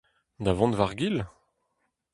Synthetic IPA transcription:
d̪avɑ̃nvaʁɡil

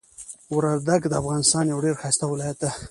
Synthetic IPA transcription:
wɾaɾd̪aɡd̪əafɣɑnɪst̪ɑnjawɖeɾxɑjst̪awɪlɑjat̪̚d̪a

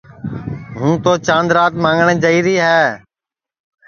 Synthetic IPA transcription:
ɦũːt̪oːt͡ʃãːnd̪ɾaːt̪mãːŋɡɳẽːd͡ʒəiːɾiːɦɛː

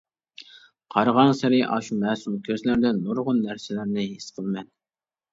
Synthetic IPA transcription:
qʰɑɾʁɑŋsɪɾɪʔɑʃumɛːsumkʲʰøzlɪɾd̪ɛnːoɾʁʊnːæɾsɪlɪɾnɪɦesqʰəlˠmɛn

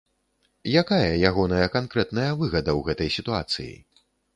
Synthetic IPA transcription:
jakajɐjaɣɔnɐjɐkankɾɛt̪nɐjɐvɨɣɐd̪ɐwɣɛt̪ɐjsʲit̪ua̰t̪sɨ̰jḭ

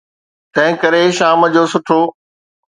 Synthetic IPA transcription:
t̪ɐ̃ɦɪ̃kɐɾeʃaːməd͡ʑoːsʊʈʰoː

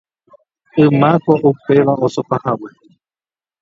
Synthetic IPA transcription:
ɨ̃mãkoʔupe̞ʋaosopahawe

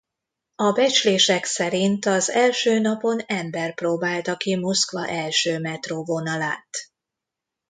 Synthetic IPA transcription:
ɒbɛt͡ʃleːʃɛksɛɾint̪ɒzɛlʃøːnɒpo̞nɛmbɛrproːbaːlt̪ɒkimo̞skʋɒ̰ʔɛlʃøːmɛt̪rovonɒla̰ːt̪

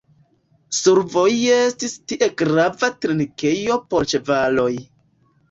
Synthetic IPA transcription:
suɾvo̞jestistiʔe̞ɡɾavatɾinike̞jo̞poɾt͡ʃe̞valo̞j

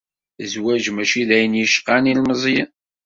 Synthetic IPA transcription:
zwæʒmæʃiðæjənjəʃqanilməzˤjə

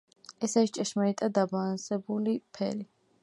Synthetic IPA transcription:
ɛsaɾist͡ʃʼɛʃmaɾit̪ʼad̪abaːnsɛbulipʰɛ̰ɾi

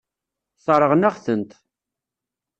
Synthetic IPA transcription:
sˤɾˤəʁnæʁθənt̪

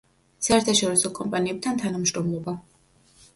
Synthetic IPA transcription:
saɛɾt̪ʰaʃɔɾisɔkʼɔmpʼaniɛp̚t̪ʰant̪ʰanamʃɾɔmlˠɔba

